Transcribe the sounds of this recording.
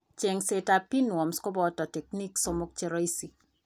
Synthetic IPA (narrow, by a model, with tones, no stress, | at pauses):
t͡ʃe˨ŋseta˨pi˦nwɔ˨mskɔ˦bɔ˦tɔ˨tɛ˨k̚ni˦ksɔ˦mʊ˦k̚t͡ʃe˦ɾɔ˦isi˨